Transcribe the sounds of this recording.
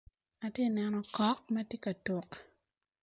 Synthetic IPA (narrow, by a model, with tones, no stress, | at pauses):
a˨tje˦˨nɛ˨nɔ˦kɔ˦k̚mɛ˦tje˦ka˨to˨k